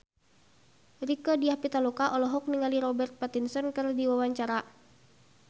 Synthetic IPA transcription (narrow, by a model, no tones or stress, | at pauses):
rikədiahpit̪alukaʔɔlɔɦɔk̚niŋaliɾɔbɛrt̪̚pat̪insɔnkɨrdiwawaɲt͡ʃaɾa